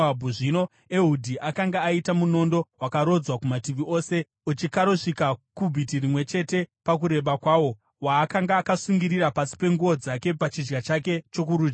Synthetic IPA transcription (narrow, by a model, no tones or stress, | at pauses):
bʱuʐino̞ | eɦudʱiʔakaŋɡaːitamuno̞ndo̞wakaɾo̞d͡zwakumatiʋiʔo̞ːse̞ | ut͡ʃikaɾo̞ʂikakubʱitirimwe̞t͡ʃe̞te̞pak̬uɾe̞ɓakwaːwo̞ | waːkaŋɡaːkasuŋɡiɾiɾapasi̥pe̞ŋɡuo̞d͡zake̞pat͡ʃid͡ʒɡat͡ʃake̞t͡ʃo̞k̬uɾuːd͡ʒɡa